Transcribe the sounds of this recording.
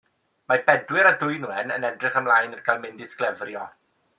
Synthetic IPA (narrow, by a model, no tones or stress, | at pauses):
mabɛdwɪɾadʊjnuɛnənɛdrɪχəmlˠajnədɡʰajlˠmɪndɪsklɛvrjɔ